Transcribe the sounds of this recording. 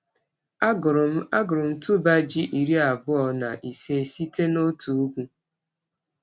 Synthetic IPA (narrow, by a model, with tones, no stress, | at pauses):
a˦ɡʊ˨ɾʊ˨m̩˦tu˦ba˦d͡ʒi˦ʔi˨ɾi˦a˨bʊ˦ɔ˨na̰˨ʔi˨se˦˨si˦te˦no˦tu˨u˦kʷu˦